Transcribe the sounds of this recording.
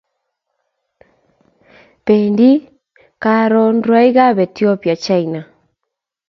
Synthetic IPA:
peː˨ndi˦ | ka˨ɾɔ˨ndwa˦i˦ɣa˦βɛ˨tjɔ˦pja˨t͡ʃa˦i˨na˨

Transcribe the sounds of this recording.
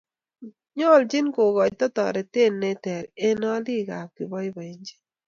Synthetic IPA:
ɲɔ˦˨ld͡ʒɪ˦nko˨ɡɔ˨t͡ʃ̚tɔ˦tɔ̰˨ɾe˨te˦˨nːe˦tɛ˨ɾe˦nɔ˦li˦ɡa̰˨kɪ˨bɔ˦jbɔ˨i˦ɲd͡ʒe̥˦

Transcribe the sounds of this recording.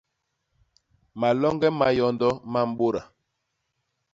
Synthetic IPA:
ma˨lɔ˦ŋɡɛ˦ma˨jɔ˨ndɔ˦ma˦m̩˦ɓo˦ɾa˨

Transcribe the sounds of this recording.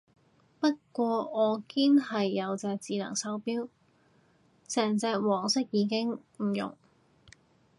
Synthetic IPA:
pɐ˥t̚kʷɔː˧ɔː˨˧kiː˥nhɐ˨jːɐ˨˧wt͡sɛː˧k̚t͡siː˨˧lɐ̰˨˩ŋsɐ˨˥wpiː˥w | sɛː˨˩ŋt͡sɛː˧k̚wɔː˨˩ŋsɪ˥k̚jiː˨˧kɪ˥ŋm̩˨˩jʊ̰˨˩ŋ

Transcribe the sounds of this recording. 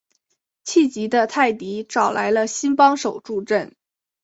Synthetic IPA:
t͡ɕʰi˥˩t͡ɕi˧˥d̪ə˧t̪ʰa˥˩ɪt̪i˧˥ʈ͡ʂɑ˨˩ʊla̰˧˥ɪlə˧ɕi˥npɑ˥ŋʂo˨˩ʊʈ͡ʂu˥˧ʈ͡ʂə˥˩n

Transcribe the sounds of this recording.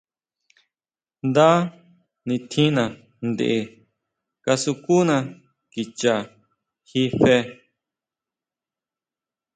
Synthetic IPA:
nd̪a˦ | nĩ˧t̪ʰĩ˦nã˨ | nd̪ḛ˧ʔe˧ | ka˧su˧ku˦nã˧ | ki˨t͡ʃa˧˨ | hi˧fe˧

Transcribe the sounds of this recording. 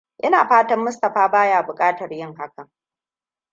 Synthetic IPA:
ʔɪ˦naː˨ɸaː˦tɐ˦mːʊ˦s̬tɐ˨ɸaː˦baː˦jaː˨bʊ˨kʼaː˦tɐ˨rjɪ˦ŋɦa˦kɐ˨

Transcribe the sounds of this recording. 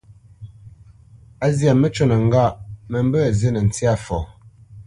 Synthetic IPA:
a˦zja˨mə˦t͡ʃo˦˨nə˨ŋ˦ɡa˦˨ʔmə˨m˦bə˦˨ze˦nə˨n̩˨t͡si˦a˦˨fɔ˨

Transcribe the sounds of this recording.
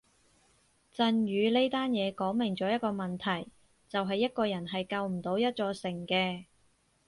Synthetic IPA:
t͡sɐ˧nɥyː˨˧le˥jt̪aː˥njɛː˨˧kɔː˨˥ŋmɪ˨˩ŋt͡sɔː˨˥jɐ˥t̚kɔː˧mɐ˨˩nt̪ʰɐ˨˩j | t͡sɐ˨wɦɐ˨jːɐ˥t̚kɔː˧jɐ˨˩nɦɐ˨jkɐ˧wm̩˨˩t̪o˨˧wjɐ˥t̚t͡sɔː˧sɪ˨˩ŋkɛː˧

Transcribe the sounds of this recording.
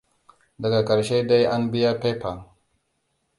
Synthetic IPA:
da˨ɡa˨ka˨ɾʃe˦da˦ja˦nbi˦ja˦pe˦pa˨ŋ

